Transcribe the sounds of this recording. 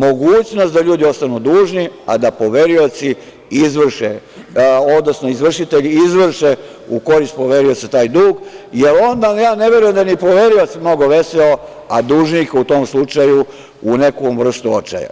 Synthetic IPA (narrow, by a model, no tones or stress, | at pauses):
mo̞ɡuːt͡ɕnost̪d̪aʎuːd̪io̞st̪anud̪uːʒnia̰d̪apo̞ʋe̞ɾio̞t̪si | izʋr̩ʃe | o̞d̪nosnoizʋr̩ʃit̪eʎizʋr̩ʃe | uko̞ɾist̪̚po̞ʋeɾioset̪aːjd̪uːɡjelo̞nd̪ajaːne̞ʋe̞ɾujemd̪ajnipo̞ʋe̞ɾio̞t̪simno̞ɡo̞ʋe̞seo | ad̪uːʒnikaut̪oːmslˠut͡ʃaju | une̞komʋr̩st̪uo̰t͡ʃa̰ja̰